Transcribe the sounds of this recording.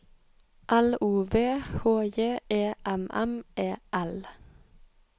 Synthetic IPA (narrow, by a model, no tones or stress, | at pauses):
ʔæluːʋeːhoːjeːeːʔæmʔæ̰mʔeːʔæl